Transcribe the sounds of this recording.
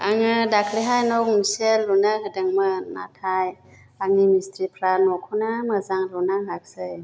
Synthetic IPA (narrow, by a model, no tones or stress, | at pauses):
aŋɯdakʰɾiɦajnɔk̚misellunaɦɯdɯŋmɯna̰tʰaj | aŋnimistɾipʰɾanɔkʰɔnamazaŋɾunaɦak̚sɯj